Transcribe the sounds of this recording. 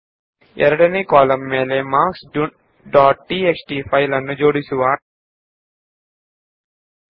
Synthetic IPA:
ɛ̰ɾɐɽɐnikaːlɐmːeːlemaːksu | ɖaːʈ̚ʈiːeksʈiːpʰɐjlɐnːud͡ʒoːɽisuʋaː

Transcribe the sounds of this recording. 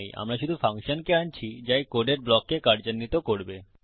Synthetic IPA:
jʔa̰mɾaʃud̪ʱufaŋʃonkeant͡ɕʰid͡ʑajkoɖeɾblɔkːekaɾd͡ʑonːit̪okoɾbe

